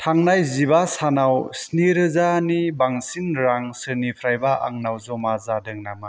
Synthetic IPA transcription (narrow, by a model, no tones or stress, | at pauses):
tʰaŋnajzibasanawsniɾɯzanibaŋsinɾaŋsɯnipʰɾajbaʔa̰ŋnawzɔmazadɯŋnama